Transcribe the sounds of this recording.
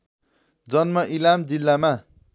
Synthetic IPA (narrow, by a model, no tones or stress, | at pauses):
d͡zʌnmʌʔilamd͡zilːama